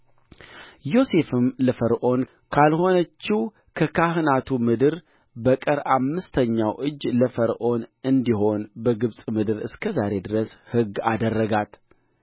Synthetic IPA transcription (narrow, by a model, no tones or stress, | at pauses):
jo̞se̞fɨmləfəɾʔo̞n | kʰalho̞nət͡ʃːi | kʰəkʰaɦɨnat̪ʰumɨd̪ɨɾ | bəkʼəɾamːɨst̪ʰəɲːawʔɨd͡ʒːləfəɾʔo̞nɨnd̪iho̞nbəɡɨβsʼmɨd̪ɨɾɨskʰəzaɾe̞d̪ɨɾəshɨɡːad̪ərːəɡat̪